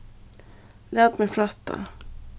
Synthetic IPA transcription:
læːt̪mɛflɑt̪ʰːa̰

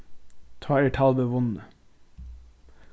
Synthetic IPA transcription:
t̪ʰɑːeːʈʰɑlʋəʋʊnə

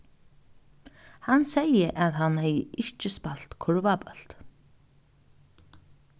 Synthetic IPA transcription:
hanːseːjɪʔaðɦanhɛːjɪʔɪhcɪspal̥t̪kʰɔɾvapœl̥t̪

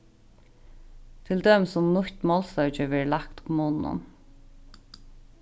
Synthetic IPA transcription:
t̪ʰɪld̪œːmsʊmnʊçt̪mɔlst̪œɹt͡ʃəʋɛːɹlakt̪ʊ̥pmoːnnʊ̰m

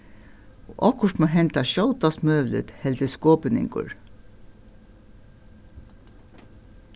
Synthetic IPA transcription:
oːʔɑkʊʂʈmeːɦɛnt̪ɑʃɑwt̪ɑsmœːʋlə̰t̪hɛlt̪əskoːpənɪ̰ŋkʊ̰ɹ

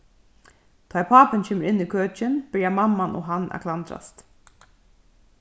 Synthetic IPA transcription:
t̪ʰɔːjpʰaːpɪncʰɛːməɾʔɪnːikʰøːt͡ʃɪnb̥ɪɹjamamːano̰ːɦanːa̰kʰlant̪ɾa̰st̪

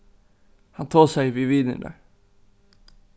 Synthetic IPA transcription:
hɑnt̪ʰoːsæɪʋiːʋiːd̪ə̰nd̪ə̰

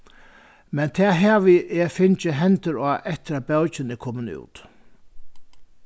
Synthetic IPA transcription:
mɛnt̪ʰɛːɦɛːʋɪɛfɪnt͡ʃɪɦɛnt̪ɪɾaːʔɛht̪ɪɾabɛwt͡ʃɪnɪkʰɔːmɪnṵːt̪

